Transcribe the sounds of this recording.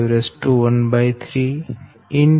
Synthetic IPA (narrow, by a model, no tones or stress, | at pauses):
ʋɾesʈuʋənbajt̪ʰɾi | in